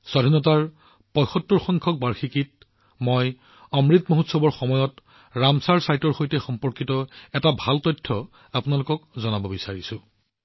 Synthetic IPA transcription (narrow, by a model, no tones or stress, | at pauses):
sɔdʱinɔt̬aɹ | pɔjxɔtːuɹxɔŋkʰɔk̚baɹxikit̚ | mɔj | ɔmɹitmoɦutsɔbɔɹxɔmɔjɔt | ɹamsaɹsajtɔɹxojtɛxɔmpɔɹkitɔɛtabʱaltɔjtʰːɔ | apʊnalʊkɔkzɔnabɔbisaɹisʊ̃